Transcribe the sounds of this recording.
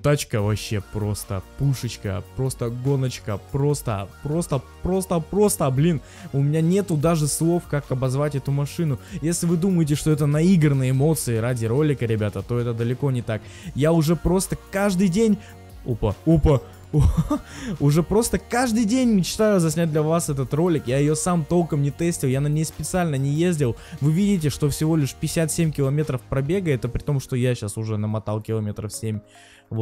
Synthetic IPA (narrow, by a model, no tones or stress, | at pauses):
t̪at͡ɕkəvɐɕːe̞pɾo̞st̪ə̰puʂɨt͡ɕkə̰pɾo̞st̪əɡo̞nət͡ɕkəpɾo̞st̪ə̰pɾo̞st̪əpɾo̞st̪əpɾo̞st̪əblʲin | ʊmʲɪnʲanʲe̞t̪ʊd̪aʐɨslˠo̞fkakɐbɐzvatʲɛt̪ʊmɐʂɨnʊjesʲlʲɪvɨd̪uməjɪt̬ʲɪʂt̪oɛt̪ənɐiɡɾənɨjəɪmo̞t̪sɨɪɾadʲɪɾo̞lʲɪkəɾʲɪbʲat̪ət̪o̞ɛt̪əd̪əlʲɪko̞nʲɪt̪ak | jaʊʐɛpɾo̞st̪əkaʐd̪ɨjdʲenʲ | upəupə | ʊʐɛpɾo̞st̪əkaʐd̪ɨjdʲenʲmʲɪt͡ɕt̪ajʊzɐsʲnʲæt̚ʲd̪lʲɐvasɛt̪ət̪ro̞lʲɪkjajɪjo̞samt̪o̞lˠkəmnʲɪt̪ɛsʲtʲɪlˠjanɐmnʲespʲɪt̪sɨalʲnənʲɪjezʲdʲɪlˠvɨvʲidʲɪt̬ʲɪʂt̪o̞fsʲɪvo̞lʲɪʂpʲɪɪsʲat̪sʲemʲkʲɪlˠɐmʲe̞t̪ɾəfpɾɐbʲe̞ɡəɛt̪əpɾʲɪt̪o̞mʂt̪o̞jaɕasʊʐɛnəmɐt̪alˠkʲɪlˠɐmʲe̞t̪ɾəfsʲemʲ | vot̪